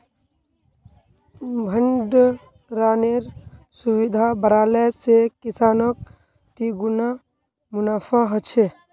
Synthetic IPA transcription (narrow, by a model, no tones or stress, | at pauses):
bʱəɳɖ | ɾaːneɾsuwid̪ʱabəɾaːlɛsekɪsaːnɔk̚ | t̪iɡuna | mʊnaːfʰãɦət͡ʃʰe